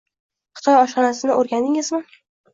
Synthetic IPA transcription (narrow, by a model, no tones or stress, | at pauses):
χɨ̥t̪ʰɒjɒʃɒnasɪnɪʔoɾɡʲand̪ɪŋɪzmɪ